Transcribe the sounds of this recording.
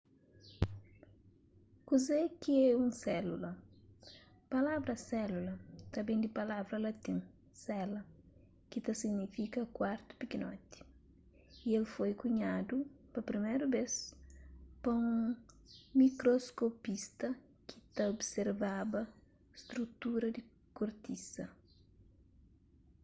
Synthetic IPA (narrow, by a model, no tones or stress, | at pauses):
kuzekiɛũsɛlulɐ | pɐlavɾɐsɛlulɐt̪ɐbẽd̪ipɐlavɾɐlɐt̪ĩn | sɛlɐ | kit̪ɐsiɡnifikɐkwaɾt̪u̥pikinot̪i̥ | ielfojkuɲad̪upɐpɾimejɾubes | pɐũŋ | mikɾoskopist̪ɐ | kʰit̪ɐobseɾvabɐ | st̪ɾut̪uɾɐd̪i | kuɾt̪isɐ